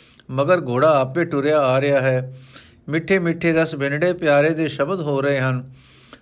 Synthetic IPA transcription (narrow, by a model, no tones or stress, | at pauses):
məɡəɾɡoːɽaːaːpʋeːʈʊɾjaːaːɾɪjaːɦɛː | mɪʈʰːeːmɪʈʰːeːɾəsbɪnɽeːpjaːɾeːd̪eːʃəbəd̪ɦoːɾəɦeːɦən